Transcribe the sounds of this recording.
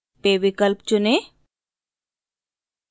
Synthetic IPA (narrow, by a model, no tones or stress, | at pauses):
peʋikəlp̚t͡ʃune